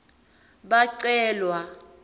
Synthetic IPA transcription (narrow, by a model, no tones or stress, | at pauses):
ɓaǀɛːlwa